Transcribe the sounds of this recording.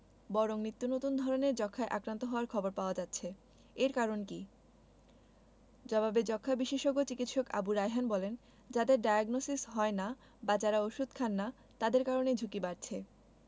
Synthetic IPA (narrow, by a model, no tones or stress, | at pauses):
bɔɾoŋnit̪ːunot̪und̪ʱɔɾoneɾd͡ʑɔkʰːaeʔakɾant̪oɦɔoaɾkʰɔboɾpaoad͡ʑat̪ːɕʰe | eɾkaɾonki | d͡ʑɔbabed͡ʑɔkʰːabiʃeʃoɡot͡ɕikit̪ʃoka̰buɾajɦanbɔlen | d͡ʑad̪eɾɖajaɡnosisɦɔena | bad͡ʑaɾaoʃud̪ʱkʰanːa | t̪ad̪eɾkaɾoned͡ʑʱukibaɾt͡ɕʰe